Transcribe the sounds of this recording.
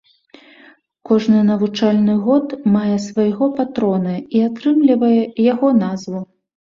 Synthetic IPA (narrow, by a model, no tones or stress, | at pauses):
kɔʐnɨnɐvut͡ʂalʲnɨɣɔt̪majɛsvajɣɔpat̪ɾɔnɨiat̪ɾɨmlʲivɐjɛjaɣɔnazvu